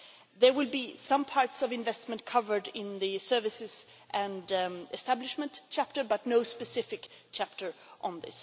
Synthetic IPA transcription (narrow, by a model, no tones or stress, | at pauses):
ðə˞wɪlˠbisʌ̃mpʰɑɹtsʌvɨ̃nɱvɛstmə̃n̚kʰʌvə˞dɪ̃nðɨsɜ˞vɨsɨz̥ | ʔɨ̃ndɨstæblɪʃmə̃ntt͡ʃʰæp̚tə˞bʌtⁿnoʊspɨsɪfɨkt͡ʃʰæp̚tə˞ʔə̃nðɪ̰s